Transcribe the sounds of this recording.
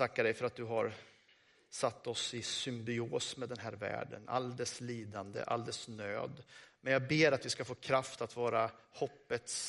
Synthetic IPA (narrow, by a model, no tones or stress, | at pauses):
akːaɖɛjfœɾat̪̚d̪ɵɦaɾ | sat̪ːɔsɪsʏmbɪoːsmɛd̪ɛnɦæːɾvæ̰ːɖə̰na̰ld̪ɛsliːd̪and̪ə̰ʔa̰ld̪ɛsnø̰ːd̪mɛnjɑːɡ̚beːɾat̪vɪskafoːkʰɾaft̪at̪vɑːɾahɔpːət̪s